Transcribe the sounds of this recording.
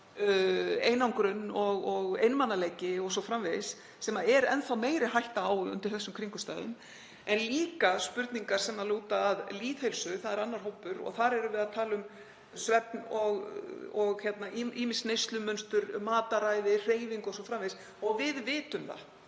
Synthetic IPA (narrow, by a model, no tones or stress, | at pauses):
eːjnawŋkɾʏnːɔɣɔɣḛjnmanːalejcɪɔɣsɔfɾamveðsː | ɛːmaɛɾɛ̰nθawmeːjɾɪɦajht̪aːwʏ̰nt̪ɪɾ̥θɛsːʏmkʰɾiŋkʏ̥st̪aːjðʏ̰n | ɛnliːkaspʏɾt̪niŋkaɾ̥sɛmnaluːt̪aːðliːθhejlsʏθaðɛɾanːaɾ̥ɦowpːʏɾɔ̰ɣθaɾɛɾʏvɪðaðt̪ʰaːlʏm | svɛp̚nɔɣɔɣçɛt̪naiiːmɪsnejst̪lʏmʏnst̪ʏɾmaːt̪aɾajðɪr̥eːjviŋkɔsɔfɾamves | ɔɣvɪðvɪːt̪ʏmθa̰